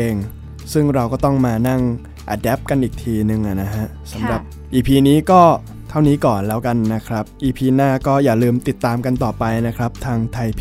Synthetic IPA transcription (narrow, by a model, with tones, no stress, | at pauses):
eː˧ŋ | sɯ˥˩ŋɾa˧wkɔː˥˩t̪ɔ˥˩ŋmaː˧na˥˩ŋ | ʔa˧dɛː˦˥p̚ka˧nʔiː˨˩k̚t̪ʰiː˧nɯ˨˧ŋʔa˨˩na˦˥ɦa˦˥ʔsa˩˦mɾa˨˩p̚ | ʔiː˧pʰiː˧niː˦˥kɔː˥˩ | t̪ʰa˥˩wniː˦˥kɔː˨˩nlɛː˦˥wka˧nːa˦˥kʰɾa˦˥p̚ʔiː˧pʰiː˧naː˥˩kɔː˥˩jaː˨˩lɯː˧mt̪i˨˩t̪ːaː˧mka˧nt̪ɔː˨˩pa˧jna˦˥kʰɾa˦˥p̚t̪ʰaː˧ŋt̪ʰa˧jpʰ